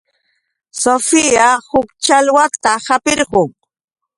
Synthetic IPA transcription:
sofijahʊkt͡ʃalwat̪ahapɪɾɢʊŋ

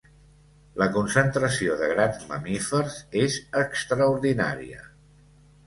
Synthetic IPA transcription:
ləkunsənt̪ɾəsioðəɣɾanzmə̰mifəɾzezəkst̪ɾəuɾðina̰ɾḭə̰

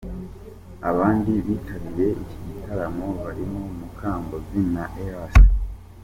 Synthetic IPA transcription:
aβaːndiβiːtʰaβiɾe̞iciɟitaɾamo̞βaɾimo̞mukʰaːmbo̞zinaʔehasa

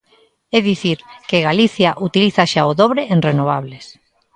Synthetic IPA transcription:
ɛðiθiɾkeɣaliθjaʔut̪iliθaʃaoðoβɾeʔenrenoβ̞aβles

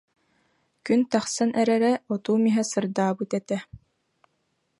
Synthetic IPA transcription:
kynt̪ɑχsɑnʔɛɾɛɾɛɔt̪uːmiɦɛsɯɾd̪aːbut̪ɛt̪ɛ

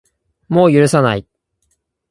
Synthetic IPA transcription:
mo̞ːjɯ̟ɾɯ̟sanai

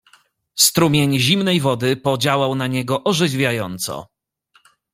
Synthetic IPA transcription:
st̪ɾumʲjeɲʑimnɛjvɔd̪ɘpɔd͡ʑawawnaɲɛɡɔʔɔʐɘvvʲjajɔnt̪sɔ̰

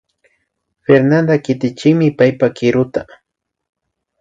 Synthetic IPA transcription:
feɾnand̪akɪt̪ɪt͡ʃɪkmɪpajpakɪɾʊt̪a

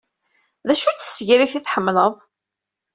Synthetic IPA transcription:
ðæʃut͡sːsːʝɾiθiθħəmːləðˤ

